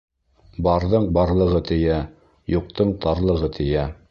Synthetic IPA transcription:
bɑɾðɤɴbɑɾlˠɤ̆ʁɤt̪ɘ̆jæ | juq̚t̪ɤɴt̪ɑɾlˠɤ̆ʁɤt̪ʰɘ̆jæ

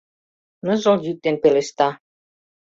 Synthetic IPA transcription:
nəzoljyk̚t̪enpelest̪ɑ

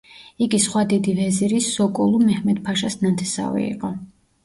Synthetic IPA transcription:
iɡisχwad̪id̪ivɛziɾisːɔkʼulˠumɛhmɛd̪pʰaʃasnant̪ʰɛsa̰vḭḭqʼɔ

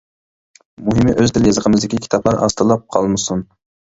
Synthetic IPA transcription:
muɦɪmɪʔøzt̪ʰɪljɑzəqʰəmɨzd̪ɪkʲikʲi̥t̪ʰɑplˠɑɾɑ̰st̪ɨlˠɑp̚qʰɑlˠmɨsun

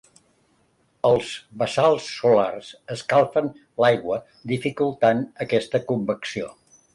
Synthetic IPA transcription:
əlˠzβəsalˠsːula̰rsəskalˠfən | lajɣwə | d̪ifikulˠt̪anəkɛst̪əkumbəksio̰

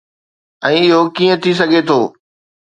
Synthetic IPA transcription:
ɛ̃ːɪɦokiːə̃t̪ʰis̬ɐɡʱet̪ʰoː

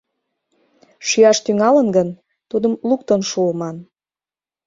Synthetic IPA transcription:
ʃyɑʃt̪yŋɑlənɡən | t̪ud̪əmlukt̪onʃuəmɑn

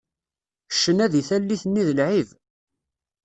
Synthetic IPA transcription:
ʃːənæðiθælːiθənːiðəlʕiv

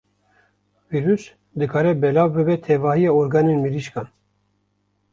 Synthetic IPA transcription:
viɾys | d̪ɨkʰɑːɾɛbɛlaːvbɨbɛt̪ʰɛvɑːhijɑːoɾɡɑːnenmiɾiʃkɑːn

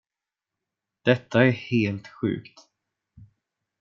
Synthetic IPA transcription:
d̪̥ɛt̪ːaæɾheːlt̪ɧʉ̟̰ːkt̪

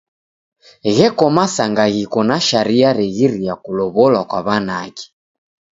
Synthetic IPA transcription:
ɣɛkɔmasaŋɡaɣikɔnaʃaɾiaɾɛɣiɾijakulɔβɔlwakwaβanakɛ̥

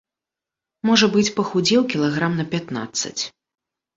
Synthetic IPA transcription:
mɔʐɐbɨt͡sʲpɐxud͡zʲɛwkʲilˠaɣɾamnɐpʲat̪na̰t̪sːɐ̰t͡sʲ

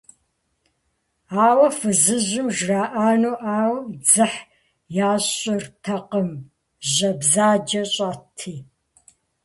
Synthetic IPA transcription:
aːwɐfɨzɨʑɪmʒraːʔaːnuːʔaːwd͡zɨħ | jaːɕʼɪrtʰɐqəm | ʑɐbzaːd͡ʒɐɕʼaːtʰiː

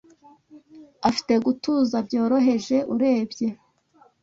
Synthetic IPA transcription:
afi̥te̞ɡutuːzabɟo̞ːɾo̞ɦe̞ʒe̞ʔuɾe̞ːbɟe̞

